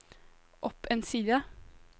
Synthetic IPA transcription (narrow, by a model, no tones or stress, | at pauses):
ʔɔpʰeːnsiːd̪ə